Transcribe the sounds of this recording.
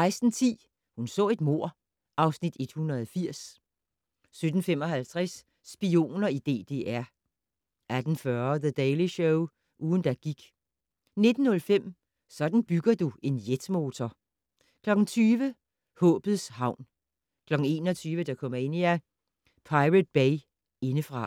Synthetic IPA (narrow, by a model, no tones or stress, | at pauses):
ɑ̈ɪsd̥n̩t͡sʰḭː | hunsɔ̰̽ːe̝d̥mo̝ɐ̰ | ɑ̈ʊsnid̥e̝d̥hunɐðˠfiɐ̰s | sød̥n̩fem̰ɒ̽ɦælt͡sʰʁɛsː | b̥io̝̰ːnɐid̥e̝̰ːd̥e̝̰ːʔæɐ̰ | æd̥n̩fɶɐðəd̥eɪliɕoʊ | ʔuːðˠn̩d̥æɡ̥iɡ̥ | ne̝d̥n̩ːɔ̽lfem̰ | sɒ̽d̥n̩b̥yɡ̥ɐd̥ue̝njed̥mo̝ːt͡sʰɐ | kʰlɒ̽ɡ̥n̩t͡sʰyːʋə | hɔ̰̽ːb̥ð̩ˠshɑ̈ʊ̰n | kʰlɒ̽ɡ̥n̩e̝̰ːnɒt͡sʰyːʋəd̥ɑ̈kʰɒ̽m̰ɐe̝niæ | pʰɑ̈ɪʁəd̥̚b̥eɪ | e̝nəfʁɑ̈